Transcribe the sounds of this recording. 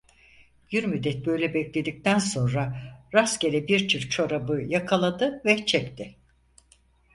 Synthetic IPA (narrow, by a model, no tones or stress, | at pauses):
jyɾmyd̪ːɛt̪̚bø̞jlʲɛbɛclʲe̞d̪ic̚t̪ʰænso̞nɾaɾascʲeɾʲɛbiɾt͡ʃʰiɾt͡ʃʰo̞ɾabɯjakʰalˠad̪ɯvɛt͡ʃʰɛct̪ʰɪ